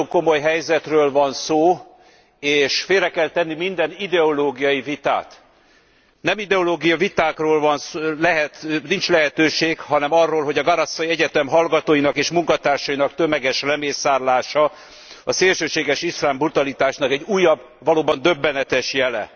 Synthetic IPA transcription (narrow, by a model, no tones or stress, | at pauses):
oŋko̞mo̞jɦɛjzɛt̪røːlvɒnsoː | eːʃfeːlrɛkɛlt̪ɛnːimind̪ɛnid̪ɛoloːɡijɒjivit̪a̰ːt̪ | nɛmid̪ɛoloːɡijɒvit̪aːkroːlvɒnslɛɦɛt̪nint͡ʃlɛɦɛt̪øːʃeːkhɒnɛmɒrːoːlɦoɟɒɡɒɾɒsːɒiɛɟɛt̪ɛmɦɒlɡɒt̪oːjinɒkeːʃmuŋkɒt̪aːrʃɒjinɒkt̪ømɛɡɛʃrɛmeːsaːrlaːʃɒ | ɒseːlʃøːʃeːɡɛʃislaːmbrut̪ɒlit̪aːʃnɒkɛɟuːjːɒb | vɒloːbɒnd̪ø̞bːɛnɛt̪ɛʃjɛlɛ̰